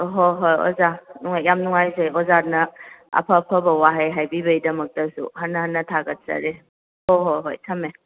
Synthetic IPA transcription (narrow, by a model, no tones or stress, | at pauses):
ɦoɦojo̰zanuŋajjamnuŋajzejozaɾnɐɐ̰pʰɐpʰɐbɐwaɦajɦajbibɐidɐmɐk̚tɐsṵɦɐnːɐhɐnːɐtʰaɡɐt̚sɐ̰ɾe | hoɦojɦojtʰɐme